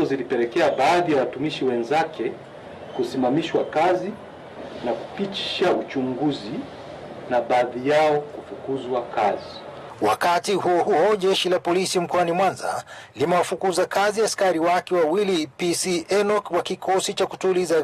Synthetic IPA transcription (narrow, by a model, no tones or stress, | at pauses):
ɔzilipɛlɛkɛaɓaːðijawatumiʃiwɛnzakɛ | kusimamiʃwakazi | naku̥pit͡ʃi̥ʃaut͡ʃuŋɡuzi | naɓaðijaɔkufukuzwakazi | wakatihuɔhuɔʄɛʃilapɔlisim̩kɔanimwanza̰limɛwafukuzakaziaskaɾiwakɛwawilipisiʔɛnɔkwakikʰɔsit͡ʃaku̥tuliza